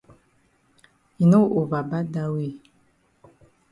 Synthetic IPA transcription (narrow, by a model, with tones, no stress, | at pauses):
i˨no˦ʔo˨ba˨ba˦da˦we˦˨